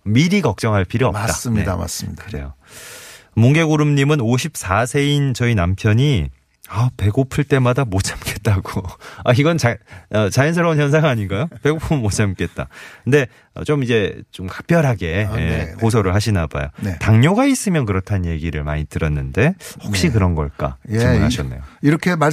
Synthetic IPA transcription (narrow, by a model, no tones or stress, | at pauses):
miɾiɡʌk̚t͡ɕ͈ʌŋɦaɭpʰiɾiʌp͈asieama̰s͈ɲiɯɾḛjo | muŋɡe̞ɡuɾumɲimɯnoɕʰip̚s͈asʰe̞int͡ɕʌinampʰjʌɲi | ape̞ɡopʰɯɭt͈e̞madamot͡ɕʰamke̞t̚t͈aɡoaiɡʌnt͡ɕaʌt͡ɕajinsʰʌɾʌunçjʌns̬ʰaŋaɲiɡajope̞ɡopʰɯːot͡ɕʰamk͈e̞t̚t͈a̰kɯnde̞ | ʌ̰t͡ɕomid͡ʑe̞t͡ɕomkḁk̚p͈jʌɾɦaɡe̞ekos̬ʰoɾɯɭhaɕʰinaba̰jo̰ntaŋɲoɡais͈ɯmjʌnkɯɾʌtʰanje̞ɡiɾɯɭma̰ɲitɯɾʌnːɯnde̞hʌk̚ɕ͈ikɯɾʌnɡʌ̰ɭk͈a̰iunɦa̰ɕʰʌnːejoiɾʌkʰema